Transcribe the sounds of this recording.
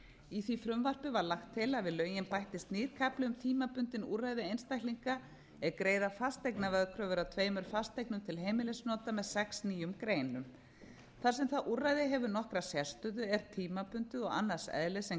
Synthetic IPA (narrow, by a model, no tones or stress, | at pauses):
iθvifɾʏmvar̥pɪvaɾlaxt̪ʰːɪlaðvɪðlœːɥjɪnpajht̪ɪst̪niːɾ̥kʰaplʏʏmt̪ʰiːmapʏnt̪ɪnṵrːajðɪejnst̪ajkliŋka | ɛðkɾeːjðafast̪ejknavɛðkʰɾœvʏɾat̪ʰveːjmʏɾ̥fast̪ejknʏmt̪ʰɪlɦeːjmɪlesnɔːt̪amɛðsɛksniːjʏmkɾeːjnʏm | θḁsɛmθaðʔurajðɪɦɛvʏnɔhkɾasjɛst̪ʏðʏɛɾt̪ʰiːmapʏnt̪ʏɔɣa̰nːḁsɛ̰ðlɪsɛm